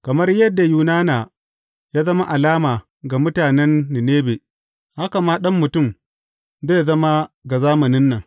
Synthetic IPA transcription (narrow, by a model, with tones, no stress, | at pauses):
kɐ˨mɐ˦rjɐ˦dːa˨juː˨naː˦naː˨ | jaː˦zɐ˦ma˦ʔa˨laː˦maː˨ | ɡa˨mʊ˦taː˨nɛ˦nːɪ˨neː˦be˨ | ha˦ka˨maː˦ɗɐ˦mːʊ˨tʊ˦˨m | zeː˦jzɐ˦ma˦ɡa˨zaː˦mɐ˨nɪ˦nːɐ˨ŋ